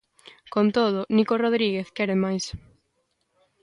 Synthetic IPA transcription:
kont̪oð̞ʊnikoroðɾiɣeθkɛɾemajs

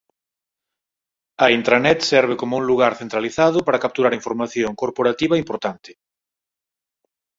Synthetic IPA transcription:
ɐint̪ɾanɛt̪sɛɾβ̞ɪkomʊuŋluɣaɾθent̪ɾaliθaðʊpaɾɐkap̚t̪uɾaɾiɱfoɾmaθjoŋkoɾpoɾat̪iβɐimpoɾt̪ant̪ɪ̥

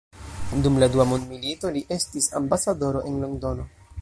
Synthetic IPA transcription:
dumladuamondmilito̞liʔe̞stisambasado̞ɾo̞ʔe̞nloɡdo̞no

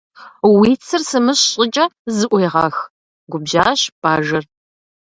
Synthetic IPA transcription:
wiːt͡sʰɨrsɨmɨɕɕʼɪt͡ʃʼɐzɨʔʷɔjʁɑ̰x | ɡʷʊbʑaːɕb̥aːʒɐr

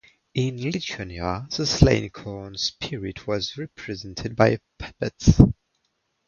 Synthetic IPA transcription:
ɪ̃nlɪtʰənəðəslḛ̃ɪ̃nkʰɔːnspʰɪɹɪdwɒzɹɛpʰɹ̥ɨzɛ̃ntʰɪd̚baɪpʰɛbəts

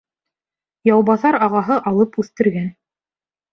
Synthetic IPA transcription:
jɑwβɑθɑɾɑʁɑɦɤʔɑlˠɤpʉθt̪ɘ̆ɾɡæn

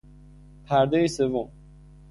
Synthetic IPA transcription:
pʰæɾd̪eisevom

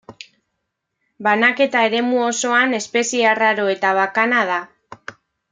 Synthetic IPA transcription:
banake̞t̪ae̞ɾe̞muo̞so̞ane̞spe̞siaraɾo̞e̞t̪aβakanað̞a

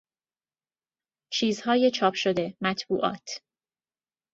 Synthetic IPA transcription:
t͡ʃʰiːzhɒːje̞t͡ʃʰɒːpʰʃod̪e̞mæt̪ʰbuːʔɒ̰ːt̪ʰ

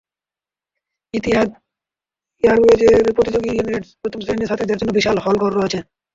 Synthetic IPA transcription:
it̪ia | iaɾed͡ʑeɾpɾot̪id͡ʑoɡid͡ʑeneɾeʈpɾot̪ʰomsɾeniʃat̪ʰed͡ʑaɾd͡ʑonːobiʃalɦɔlkɔɾɾoɦat͡ɕʰe

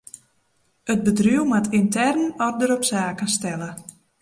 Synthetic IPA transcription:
ət̚bədrywmatʰintɛrnɔrdəɾɔpsaːkənstɛlə

